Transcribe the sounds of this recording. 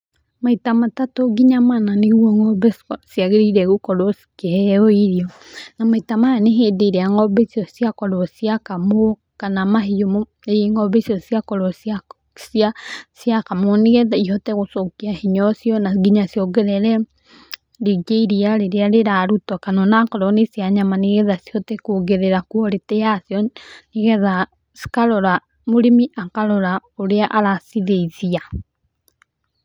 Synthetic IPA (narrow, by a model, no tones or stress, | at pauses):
maitamatatoɡiɲamananeɣwɔŋɔbɛsjaɣeɾiɾɛɣukɔɾosi̥kehɛoiɾiɔ | namaitamaaneɦeðeɾeaŋɔbesiɔsjakɔɾɔsjakamo | kanamaɦijom | eŋɔβesiɔsiakɔɾɔsa | siasjakamoneɣɛðaihɔtɛɣosokiahiɲɔsjɔnaɡiɲasjɔɡɛɾɛɾɛ | ɾiɡeiɾiaɾeɾeaɾeɾaɾutwakanɔnakɔɾɔnesjaɲamaneɣɛðasjɔtɛkoɣeɾeɾakuɔɾetɛjasjɔneɣɛða | skaɾɔɾa | moɾimiʔakaɾɔɾaoɾeaʔaɾasiðeiðia